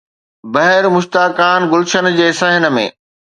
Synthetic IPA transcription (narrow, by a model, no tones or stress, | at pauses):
bɐɦɪɾmʊʃt̪aːkaːnɡʊlʃənd͡ʑeːɪsaːɦɪnə̆mḛ̃ː